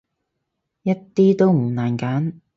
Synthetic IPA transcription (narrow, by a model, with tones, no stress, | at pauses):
jɐ˥tt̪ːiː˥t̪o˥wm̩˨˩naː˨˩nkaː˨˥n